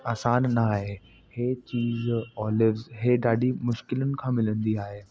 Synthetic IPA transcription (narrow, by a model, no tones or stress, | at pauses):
aːsaːnːaaːɦe | heːt͡ɕiːzɔːlɪʋzɦeɗaːɖʱimʊʃkɪlənɪ̆kʰãːmɪlə̃nd̪iaːɦe